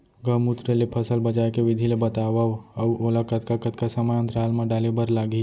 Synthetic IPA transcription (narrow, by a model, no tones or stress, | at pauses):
ɡəmut̪ɾelepʰɐsəlbɐd͡ʒaːjkeʋɪd̪ʱilebɐt̪aːʋaɐʋoːlakɐt̪kakət̪kasəməjə̃nt̪ɾaːlmãɖaːlebəɾlaːɡi